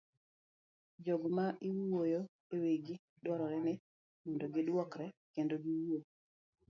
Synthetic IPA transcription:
d͡ʒɔɡmaʔɪwwojo | eweɡi | dwɔɾɔɾɛnɪ | wundoɡɪdwɔkɾɛkendoɡiwuo

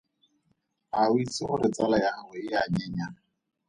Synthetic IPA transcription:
awit͡sɪχʊɾɪt͡sʼalajaɣɛɪjaɲɛɲa

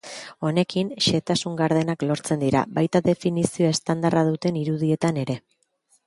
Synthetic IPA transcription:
o̞ne̞kinʃe̞t̪asuŋɡaɾð̞e̞naklo̞ɾt͡se̞nd̪iɾa̰βajt̪aðe̞finisio̞e̞st̪and̪araðut̪e̞niɾuð̞ie̞t̪ane̞ɾe̞

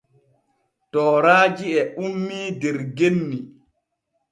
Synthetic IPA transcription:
tɔːɾaːd͡ʒiɛʔumːiːdɛɾɡenːi

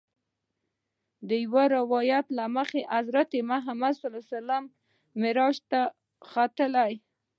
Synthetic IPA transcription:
d̪əjwaɾɪwɑjat̪laməxeʔazɾat̪emaɦamad̪salɑsalamː | ɪɾɑʃt̪a | xat̪əlaj

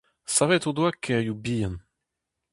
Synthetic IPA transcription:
savɛt̪od̪wakʰːɛjubijan

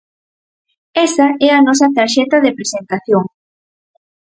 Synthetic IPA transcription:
ɛsɐɛɐnɔsɐt̪aɾʃɛt̪ɐðepɾesent̪aθjoŋ

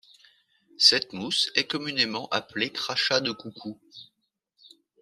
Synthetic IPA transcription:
sɛt̪musɛkɔmynemɑ̃ʔaplekχaʃad̪əkukʰu

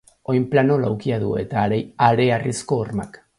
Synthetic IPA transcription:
o̞jmplano̞lawkiaðue̞̰t̪aɾeaɾe̞arisko̞ːrma̰k

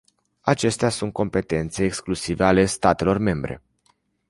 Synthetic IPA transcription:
at͡ʃe̞st̪easunt̪̚ko̞mpe̞t̪e̞nt̪se̞ːksklusiveale̞st̪at̪e̞lo̞rme̞mbɾe̞̰

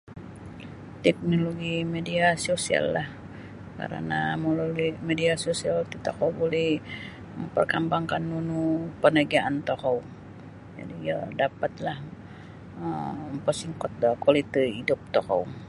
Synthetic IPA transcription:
t̪ɛk̚noloɡimediasosia̰lːah | ka̰ɾə̰na̰mololimediasosialt̪it̪akawbolɛh | məmpərkambaŋkanːunupənəɡaʔant̪ohaŋ | d͡ʒa̰dijadapat̪lah | əmmpəsiŋkɔt̪̚kwalit̪eidʊp̚t̪oha̰uŋ

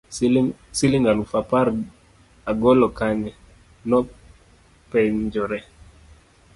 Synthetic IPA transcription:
siliŋɡalufapaɾ | aɡɔlɔkanɛ | nɔ | pɛɲd͡ʒɔɾɛ

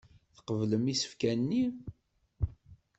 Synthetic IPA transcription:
θə̥qəvləmisə̥fkænnːi

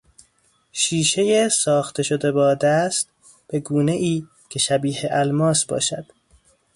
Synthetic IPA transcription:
ʃiːʃe̞jesɒːxt̪ʰe̞ʃo̞d̪e̞bɒːd̪æst̪ | b̥e̞ɡuːne̞ʔiː | cʰe̞ʃæbiːheʔælmɒːsbɒ̰ːʃæ̰d̪̥

